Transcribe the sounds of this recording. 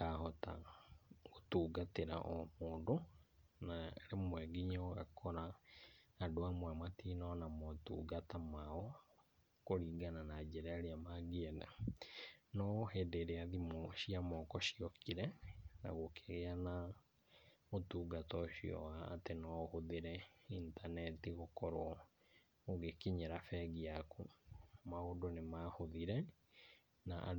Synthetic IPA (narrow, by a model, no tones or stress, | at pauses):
kahɔta̰ | ɣotuːɡateɾa̰ʔɔmoːndo | naɾemwɛɡiɲaɣa̰kʰɔɾa | adoamwamatinɔnamɔtṵːɡatamaɔ | koɾiːɡananad͡ʒɛɾaeɾeamaɡeɛna̰ | nɔhɛdeɾeaðimoʃiamɔkɔɕiɔkiɾɛna̰ɣokeɣeana | motuːɡatɔɕiɔ̰wa̰ːtenɔhoðeɾɛintanɛtiɣokɔɾo | oɣekiɲeɾafɛɣiakumaodonemahoðiɾɛ | naʔa̰